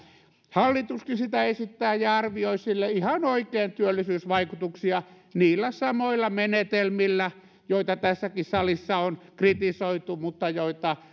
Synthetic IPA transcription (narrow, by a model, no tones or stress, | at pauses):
hɑlːit̪uskisit̪æesit̪ːæːjɑɑrʋioisilːeihɑnoikeːnt̪yølːisyːsʋɑikut̪uksiɑ | niːlːæsɑmoilːɑmenet̪elmilːæ | joit̪ɑt̪æsːækisɑlisːɑonkrit̪isoit̪umut̪ːɑjoit̪ɑ